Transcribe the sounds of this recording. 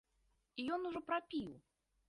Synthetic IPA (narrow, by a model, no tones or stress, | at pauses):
ijɔnuʐɔpɾapʲiw